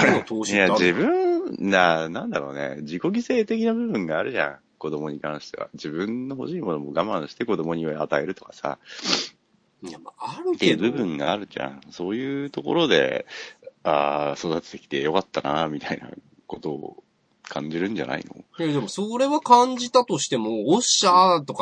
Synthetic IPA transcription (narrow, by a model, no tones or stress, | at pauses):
t̪ʰoːɕjad͡ʑibɯ̟̃nd̪anãnd̪aɾo̞̰ːnḛd͡ʑiko̞ɡʲise̞ːt̪e̞kʲinabɯ̟bɯ̟̃ŋɡaːɾɯ̟ʑã̰ | ko̞d̪o̞mo̞ɲ̟ikãɰ̃ɕi̥t̪e̞βa̰d͡ʑibɯ̟̃nːo̞ɦo̞ɕiːmo̞no̞moɡamãɰ̃ɕi̥t̪e̞ko̞d̪o̞mo̞ɲ̟iβaat̪ae̞ɾɯ̟t̪o̞̥kḁsa̰ | jamaaɾɯt̪ːebɯ̟bɯ̟̃ŋɡaːɾɯ̟ʑã̰so̞ːjɯ̟ːt̪o̞ko̞ɾo̞d̪e̞̰ | aːso̞d̪at̪ɨ̥t̪e̞kʲi̥t̪e̞jo̞kat̪ːanamʲit̪aina̰ | ko̞t̪o̞̰ː | kʰãɲd͡ʑiɾɯ̟̃ɲd͡ʑa̰na̰ḭno̞̰jad̪emosoɾe̞βakãɲd͡ʑit̪at̪o̞ɕi̥t̪e̞mooɕat̪o̞k